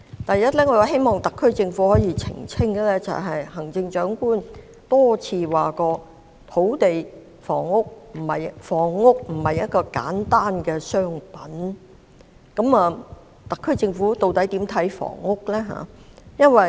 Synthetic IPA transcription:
t̪ɐ˨jɐ˥t̚lɛː˥ŋɔ˨˧wa˨˧˥he˥jmɔː˨ŋt̪ɐ˨kʰːɵ˥ɥt͡sɪ˧ŋfuː˨˥hɔː˨˥jiː˨˧t͡sʰɪ̰˨˩ŋt͡sʰɪ˥ŋɡɛ˨˧lɛː˥t͡sɐ̰˨˩wɦɐ˨jhɐ˨˩ŋt͡sɪ˧ŋt͡ʃœː˨˥ŋkuː˥n | t̪ɔː˥t͡sʰiː˧waː˨kɔː˧ | t̪ʰo˨˥wt̪e˨j | fɔ̰ː˨˩ŋːʊ˥k̚m̩˨˩hɐ˨jfɔː˨˩ŋːʊ˥k̚m̩˨˩hɐ˨jːɐ˥t̚kɔː˧ka̰ː˨˥nt̪aː˥nkɛː˧sœː˥ŋpɐ˨˥n | kɐ˨˥mɐː˨˧ | t̪ɐ˨kʰːɵ˥ɥt͡sɪ˧ŋfuː˨˥t̪o˨wt̪ɐ˨˥jt̪iː˨˥mt̪ʰɐ˨˥jfɔ̰ː˨˩ŋːʊ˥k̚lɛː˥ɦa̰ː˨jɐ˥nwɐ˨j

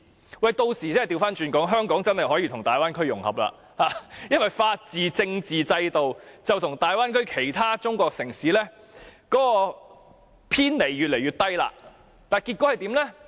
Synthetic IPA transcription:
wɐ˨jt̪o˧wsiː˨˩t͡sɛ˥˨t̪i˧wfaː˥nt͡ʃyː˧nkɔː˨˥ŋɦœː˥ŋkɔː˨˥ŋt͡sɐ˥nhɐ˨˩jɦɔː˨˥jiː˨˧t̪ʰʊ˨˩ŋt̪aː˨jwaː˥nkʰɵ˥ɥjʊ˨˩ŋhɐ̰˨˩p̚la̰ː˧ | haː˨jɐ˥nwɐ˨jfaː˧t̚t͡siː˨t͡sɪ˧ŋt͡siː˨t͡sɐ˧jt̪o˨wt͡sɐ˨wt̪ʰʊ˨˩ŋt̪aː˨jwaː˥nkʰɵ˥ɥkʰe˨˩jt̪ʰaː˥t͡sʊ˥ŋkʷɔː˧k̚sɪ˨˩ŋsiː˨˥lɛː˥ | kɔː˨˥kɔː˧ | pʰiː˥nle˨˩jɥyː˨t̚le˨˩jɥyː˨˩t̪ɐ˥jla̰ː˧ | t̪aː˨jkiː˧t̚kʷɔ˨˥hɐ˨jt̪iː˨˥mlɛ˥

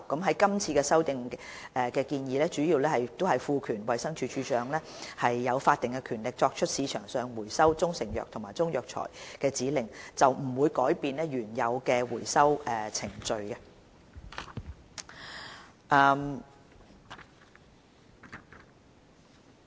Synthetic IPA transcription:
kɐ˨˥mɦɐ˨˥jkɐ˥mt͡sʰiː˧kɛː˧sɐ˥wt̪ɪ˨ŋɛː˨˩kɛː˧kiː˧njiː˨˧lɛː˥t͡ʃyː˨˥jiː˨˧wlɛː˥hɐ˨jt̪o˥whɐ˨jfuː˨˧kʰyː˨˩nwɐ˨jsɐ˥ŋt͡ʃʰyː˧t͡ʃʰyː˨˥t͡ʃœː˨˧ŋlɛː˥hɐ˨jːɐ˨˧wfaː˧t̪ɪ˨ŋkɛ˧kʰyː˨˩nlɪ˨k̚t͡sɔː˧k̚t͡ʃʰɵ˥t̚siː˨˧t͡ʃʰœ̰ː˨˩ŋsœː˨˧ŋwuː˨˩jsɐ˥wt͡sʊ˥ŋsɪ˨˩ŋjœ̰ː˨t̪ʰʊ˨˩maː˨˩jt͡sʊ˥ŋjœː˨k̚t͡ʃʰɔ̰˨˩jkɛː˧t͡siː˨˥lɪ˨ŋt͡sɐ˨wm̩˨˩wuː˨˧jkɔː˨˥jpiː˧nlɛː˥jyː˨˩njɐ˨˧wkɛː˧wuː˨˩jsɐ˥wʔɛː˨˩t͡sʰɪ˨˩ŋt͡ʃɵ˧ɥkɛ˧ | ʔɛ˧m

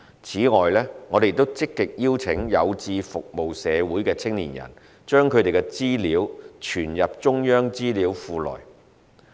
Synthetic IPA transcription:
t͡sʰiː˨˥ŋɔː˨jlɛː˥ŋɔː˨˧t̪e˨t̪o˥wt͡sɪ˥kːɪ˨k̚jiː˥wt͡sʰɪ˨˥ŋjɐ˨˧wt͡siː˧fʊ˨k̚mo˨wsɛː˨˧wuː˨˥jkɛː˧t͡sʰɪ˥ŋlḭː˨˩njɐ̰˨˩n | t͡ʃœː˥ŋkʰɵ˨˧ɥɾe˨jkɛ˧t͡siː˥liː˨˥wt͡ʃʰyː˨˩njɐ˨p̚t͡ʃʊ˥ŋjœː˥ŋt͡siː˥liː˨˥wfuː˧lɔ̰ː˨˩j

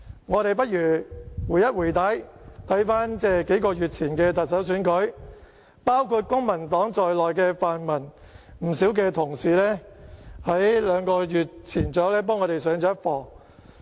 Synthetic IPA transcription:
ŋɔː˨˧ɾe˨jp̬ɐ˥t̚jyː˨˩wuː˨˩jɐ˥t̚wuː˨˩jt̪ɐ˨˥jt̪ʰɐ˨˥jfaː˥nt͡sɛː˥ke˨˥jkɔː˧jyː˨t̚t͡sʰiː˨˩nkɛː˧t̪ɐ˨t̚sɐ˨˥wsyː˨˥nkɵ˨˥ɥ | paː˥wkʰuː˧t̚kʊ˥ŋmɐ˨˩nt̪ɔː˨˥ŋt͡sɔː˨jlɔː˨jkɛː˧faː˨nmɐ˨˩n | m̩˨˩si˨˥wk̬ɛː˧t̪ʰʊ˨˩ŋsiː˨lɛː˥hɐ˨˥jlœː˨˧ŋkɔː˧jyː˨t̚t͡sʰiː˨˩nt͡sɔː˨˥wlɛː˥p̬ɔː˥ŋɔː˨˧ɾe˨jsœː˨˥ŋt͡sɔː˨˥jɐ˥t̚fɔː˨˧

